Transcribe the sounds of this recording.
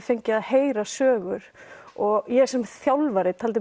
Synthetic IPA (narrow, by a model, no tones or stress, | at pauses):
fejɲcɪaðheːjɾasœːɣʏɾ̥ɔɣjɛsɛmθjawlvaɾɪt̪ʰaːlt̪̬ɪ